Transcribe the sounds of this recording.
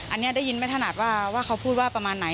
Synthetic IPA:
ʔa˧nːi˦˥ɐ˨˩da˥˩ji˧nma˥˩t̪ʰa˧naː˨˩t̪̚waː˥˩waː˥˩kʰa˧˥wpʰuː˥˩t̚waː˥˩pa˧maː˧nːa˩˦

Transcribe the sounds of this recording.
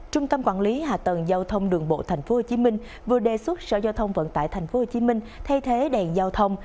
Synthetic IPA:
t͡ɕʊ˧ŋ͡mt̪ə˧mkwaː˧˩nli˨˦haː˨˩t̪ə˨˩nzaː˧wt̪ʰə˧wŋ͡mɗɨ˨˩əŋɓo̰˧˨t̪ʰa˨˩jŋ̟fo˨˦ho˨˩t͡ɕi˨˦mï˧ŋ̟ | vɨ˨˩əɗe˨˩swə˦˥t̚sə̰ː˧˩zaː˧wt̪ʰə˧wŋ͡mvə̰˧˨nt̪a̰ː˧˨jt̪ʰa˨˩j̟fo˨˦ho˨˩t͡ɕi˨˦mï˧ŋ̟t̪ʰa˧jt̪ʰe˨˦ɗɛ˨˩nzaː˧wt̪ʰə˧wŋ͡m

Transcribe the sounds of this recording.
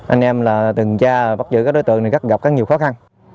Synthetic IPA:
ʔa̰˧jŋʔɛ˧mlaː˨˩t̪ɨ˨˩ŋt͡ɕaː˧˩ɓa˦˥t̚zɨ̰˧˩k̚ːɗo˨˦jt̪ɨ̰˧˨ŋt̪i˨˩ka˦˥k̚ɣa˨˩p̚kaː˨˦˥ɲi˨˩əwxɔ˨˦xa˧n

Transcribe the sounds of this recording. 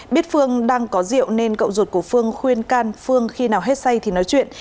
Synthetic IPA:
ɓi˦˥ət̚fɨ˧əŋɗaː˧ŋkɔ˨˦zḭ˧˨əwne˧nkə̰˧˨wŋ͡mzo˨˩t̚ku˧˩əfɨ˧əŋxwi˧ənkaː˧nfɨ˧əŋxi˧naː˨˩wɦe˦˥t̚sa˧jt̪ʰi˨˩nɔ˨˦jt͡ɕwḭ˧˨ən

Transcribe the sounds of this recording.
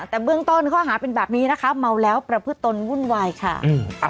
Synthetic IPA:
t̪ɛː˨˩bɯ˥˩əŋt̪o˥˩nkʰɔː˥˩ɦaː˩˦pe˧nbɛː˨˩p̚niː˦˥na˦˥kʰa˦˥ma˧wlɛː˦˥wpɾa˧pʰɯ˦˥t̪ːo˧nwu˥˩nwaː˧jkʰa̰˥˩ʔɯː˧

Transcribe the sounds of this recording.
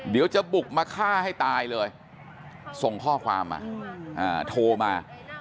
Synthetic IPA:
di˨˩˦wt͡ɕa˨˩bu˨˩k̚maː˧kʰaː˥˩a˥˩jt̪aː˧jlɤː˧j | so˨˩ŋkʰɔː˥˩kʰwaː˧mʔa̰ː˧˩ʔaː˨˩t̪ʰoː˧maː˧

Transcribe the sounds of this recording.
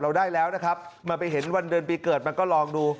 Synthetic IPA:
ɾa˧wdaː˥˩jlɛː˦˥wna˦˥kʰɾa˦˥p̚maː˧pa˧jɦe˩˦nwa˧ndɯ˧npiː˧kɤː˨˩t̪̚ma˧nkɔː˥˩lɔː˧ŋduː˧

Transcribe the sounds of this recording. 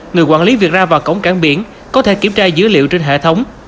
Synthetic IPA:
ŋɨ˨˩əjkwa̰ː˧˨nli˨˦vi˨˩ət̚zaː˧vaː˨˩wkə̰˧˥wŋ͡mkaː˧˩nɓḭ˧˥ən | kɔ˨˦t̪ʰe˧˩ki˧˩ət͡ɕaː˧zɨ̰˧˥əlḭ˧˨əwt͡ɕe˧nɦḛ˧˨t̪ʰə˨˦wŋ͡m

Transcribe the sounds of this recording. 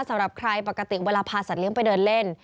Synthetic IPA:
sa˨˦mɾa˨˩p̚kʰɾa˧jpa˨˩ka˧t̪i˨˩weː˧laː˧pʰaː˧sa˨˩t̪̚li˦əŋpa˧jdɤː˧nle˥˩n

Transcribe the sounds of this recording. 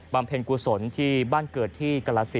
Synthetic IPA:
ba˧mpʰe˧nkuː˧so˩˦nt̪ʰiː˥˩baː˥˩nkɤː˨˩t̪ʰːiː˥˩ka˧la˦˧˥si˦

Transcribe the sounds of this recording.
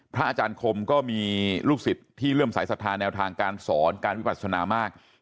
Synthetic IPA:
pʰɾa˦˥ʔaː˧t͡ɕaː˧nkʰo˧mkɔː˥˩miː˧luː˥˩k̚si˨˩p̚t̪ʰːiː˥˩ɾɯ˥˩əmsa˩˦jsa˨˩t̪ʰːaː˧nɛː˧wt̪ʰaː˧ŋkaː˧nsɔː˩˦nkaː˧nwi˦˥ba˨˩t̪̚sʰa˧naː˧maː˥˩k̚

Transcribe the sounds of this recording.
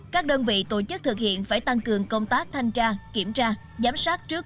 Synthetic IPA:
kaː˦˥k̚ɗəː˧nvḭ˧˨t̪o˧˩t͡ɕɨ˦˥k̚t̪ʰɨ˨˩k̚hḭ˧˨ənfaː˧˩jt̪a˧ŋkɨ˨˩əŋkə˧wŋ͡mt̪aː˦˥k̚t̪ʰa˧jŋ̟t͡ɕaː˧ki˧˩əmt͡ɕaː˧ | zaː˨˦msaː˦˥k̚t͡ɕɨ˦˥k̚

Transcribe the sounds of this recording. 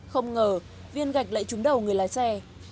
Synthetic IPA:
xə˧wŋ͡mŋəː˨˩ | vi˧ənɣa˨˩jk̟̚lə̰ː˧˨jt͡ɕʊ˨˦ŋ͡mɗə˨˩wŋɨ˨˩əjlaː˨˦jsɛ˧˩

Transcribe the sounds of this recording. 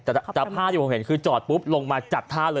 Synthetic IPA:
t̪ɛ˨˩t̪ɛ˨˩pʰaː˥˩iː˥˩po˩˦mhe˩˦nkʰɯː˧t͡ɕɔː˨˩t̪̚pu˦˥p̚lo˧ŋmaː˧t͡ɕa˨˩t̪̚ʰːaː˥˩lɤː˧

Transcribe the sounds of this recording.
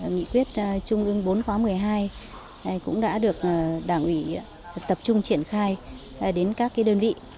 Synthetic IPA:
ŋḭ˧˨kwi˦˥ət̚t͡ɕʊ˧ŋ͡mʔɨ˧əŋɓo˨˦nkwaː˨˦mɨ˨˩əjɦaː˧j | kʊ̰˧˥ŋ͡mɗa̰ː˧˥ɗɨ˨˩ək̚ʔːɗaː˧˩ŋʔwi˧˩ | t̪ə˨˩p̚t͡ɕʊ˧ŋ͡mt͡ɕi˧˩ənxaː˧j | ɗe˨˦nkaː˦˥kːaː˨˦jɗəː˧nvḭ˧˨

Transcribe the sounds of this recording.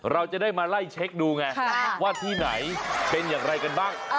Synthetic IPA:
ɾa˧wt͡ɕa˨˩daː˥˩jmaː˧la˥˩jt͡ɕʰe˦˥k̚duː˧ŋa˧waː˥˩t̪ʰiː˥˩na̰˩˦jpe˧njaː˨˩ŋɾa˧jka˧nbaː˥˩ŋ

